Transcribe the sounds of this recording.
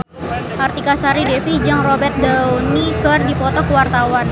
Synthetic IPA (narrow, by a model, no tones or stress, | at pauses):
tʔart̪ikasaɾidefid͡ʒaŋrɔbɛrt̪̚daonikərdipɔt̪ɔkəwart̪awan